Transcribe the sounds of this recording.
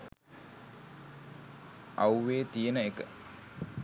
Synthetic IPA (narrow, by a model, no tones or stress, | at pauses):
ʔɐwʋeːt̪ijenəekə